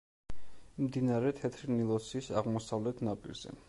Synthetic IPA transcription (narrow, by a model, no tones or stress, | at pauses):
md̪inaɾɛt̪ʰɛt̪ʰɾnilˠɔsisaʁmɔsavlɛt̪ʰnapʼḭɾz̥ɛ̰